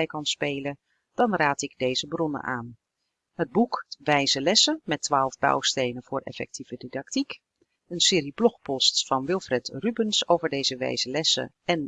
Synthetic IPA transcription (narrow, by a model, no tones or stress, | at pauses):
ɛjkɑnspejlə | d̥ɑnraːtɪɡdejzəbrɔnə̰nʔa̰ːn | ɦəd̚bukʋɛjzəlɛsəmɛtːʋaːlˠvbɑ̰wstejnəv̥ʊːrʔɛ̰fɛ̰k̚tiv̥ədidɑk̚tik | ənsɪːɾiblɔχpɔstfɑnʋɪlˠfrɛtrybənsowvəɹdejzəʋɛ̰jzəlɛsə̰ | ɛn